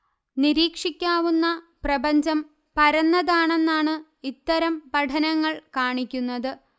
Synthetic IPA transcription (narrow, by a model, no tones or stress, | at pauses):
niɾiːkʂikʲːaːʋunːɐ | prɐbɐɲd͡ʑɐm | pɐɾɐnːɐðaːɳe̞nːaːɳɨ | it̪ːɐɾɐmpɐʈʰɐnɐŋːɐɭkaːɳikʲːunːɐðɨ